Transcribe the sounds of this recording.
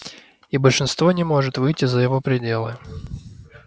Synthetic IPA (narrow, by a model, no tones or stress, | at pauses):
ibəlʲʂɨnst̪vo̞nʲɪmo̞ʐɨt̪vɨjtʲɪzəjɪvopɾʲɪdʲe̞lˠɨ